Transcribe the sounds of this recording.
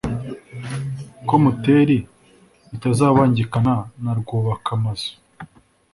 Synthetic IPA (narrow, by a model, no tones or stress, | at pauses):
ko̞muteːɾi | itazaːβaːɲɟikananaɾɡoːβakamazo̥